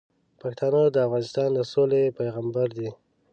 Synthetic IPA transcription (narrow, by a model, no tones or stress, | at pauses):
pakt̪ɑnod̪əafɣɑnɪst̪ɑnd̪əsolepajɣambaɾd̪i